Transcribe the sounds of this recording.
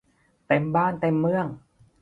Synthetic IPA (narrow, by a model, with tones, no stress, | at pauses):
t̪e˧˩mbaː˥˩nt̪e˧mːɯ˧˩əŋ